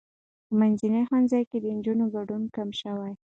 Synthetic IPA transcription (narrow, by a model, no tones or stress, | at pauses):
pəmanzinehanzɑjked̪ənd͡ʒunoɡaɖunkamʃəwaj